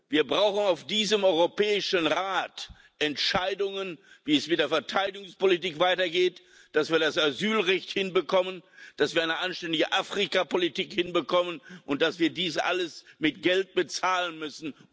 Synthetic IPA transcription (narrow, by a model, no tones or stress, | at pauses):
viːɐbʁaʊxn̩aʊfd̥iːzəmɔʏʁopɛːɪʃənʁaːt | ʔɛntʃaɪdʊŋən | viːɛsmɪtd̥eːɐfɛɐtʰaɪdɪɡʊŋspolitiːkv̥aɪtɐɡeːt | d̥asv̥iːɐdasazyːlʁɛçthɪnbəkʰɔmənd̥asviːɐaɪnəʔanʃtɛndɪɡəʔaːfʁ̥ikapolitiːkhɪnbəkʰɔmənʔʊnt̚d̥asv̥iːɐdiːsʔa̰ləsmɪtɡ̥ɛlt̚b̥ət͡saːlənmʏsn̩